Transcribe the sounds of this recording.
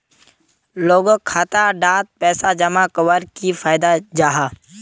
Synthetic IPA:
loːɡkʰaːt̪aɖaːt̪̚pɛːsad͡ʒɐmakəwəɾkifʰaːɪd̪ad͡ʒaːɦaː

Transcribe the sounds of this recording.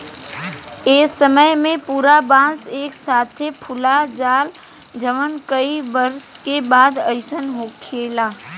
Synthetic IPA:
eːsəməjmẽpuːɾabãːnseːksaːt̪ʰepʰʊlad͡ʒaːld͡ʒəʋənkəiʋəɾskebaːd̪əɪsənɦokʰeːlaː

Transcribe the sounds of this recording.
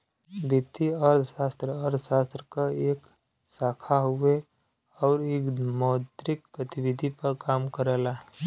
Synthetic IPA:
bɪt̪ːiəɾd̪ʱʃaːst̪ɾəəɾd̪ʱʃaːst̪ɾəkaeːk | saːkʰaɦʊe | ɔːɾeːkmɔːd̪ɾɪkɡət̪ɪwɪd̪ʱipəɾkaːmkəɾəla

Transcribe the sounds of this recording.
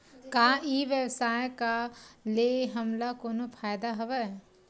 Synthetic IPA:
kaːiʋjəwsaːjkaleɦɐmlakoːnopʰaːjd̪aɦɐʋɛ

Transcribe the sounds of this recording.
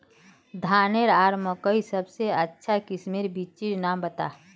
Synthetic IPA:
d̪ʱaːneɾaːɾməkəisəbseətːʃʰakɪsmeɾbit͡ʃiɾnambət̪a̰ː

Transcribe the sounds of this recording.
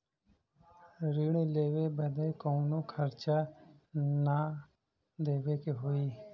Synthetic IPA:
ɾiːɽ̃eːleːʋeːbəd̪eːkoːnõːkʰəɾt͡ʃa | na | d̪eːʋeːkeɦoːiː

